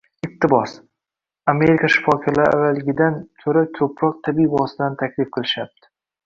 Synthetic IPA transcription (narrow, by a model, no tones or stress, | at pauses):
ɪq̚t̪ʰɪbɒs | ame̞ɾɪkʰaʃɪ̥fɒkʲʰalaɾa̰valɪɡʲɪd̪ant̪ʰɵɾakʰɵpʰɾɒq̚t̪ʰabibɒsɪd̪ant̪ʰakʲʰlɪfqʰɨlˠɪʃap̚t̪ʰɪ̥